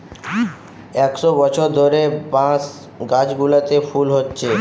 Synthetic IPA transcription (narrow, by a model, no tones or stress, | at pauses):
eksɔbət͡ʃʰod̪ʱoɾepãs | ɡãːd͡ʒɡulət̪epʰuːlɦot̪t͡ʃʰeː